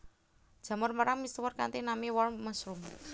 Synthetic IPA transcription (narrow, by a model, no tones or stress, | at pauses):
d̥ʒ̥a̤mɔrməɾaŋmist̪uwɔrkant̪inamiwɔlməsɾum